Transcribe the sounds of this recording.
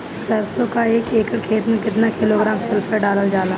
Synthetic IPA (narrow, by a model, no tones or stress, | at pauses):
sɐɾsõkaeːkeːkəɽkʰeːt̪mẽkɪt̪nakɪloɡɾãːmsɪlfʰəɖaːləld͡ʒaːlaː